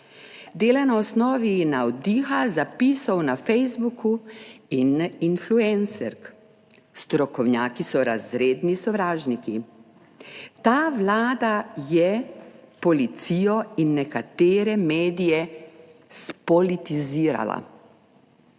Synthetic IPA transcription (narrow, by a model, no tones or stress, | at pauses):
d̪eːlanaɔsnɔːʋinaɔd̪iːxazapiːsɔwnafɛjzbukuininfluɛnsɛɾk | st̪ɾɔkɔwnjaːkisɔɾazɾeːd̪nisɔʋɾaːʒniki | t̪aːʋlaːd̪ajɛpɔlit̪siːjɔinːɛkat̪eːɾɛmeːd̪ijɛ | spɔlit̪iziːɾa̰la̰